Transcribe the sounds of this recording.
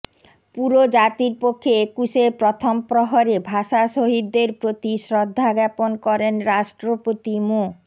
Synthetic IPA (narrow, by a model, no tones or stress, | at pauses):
puɾod͡ʑat̪iɾpokʰːeekuʃepɾot̪ʰompɾoɦoɾebʱaʃaʃoɦid̪ːeɾpɾot̪iʃɾod̪ʱːaɡɛponkɔɾenɾaʃʈɾopot̪imo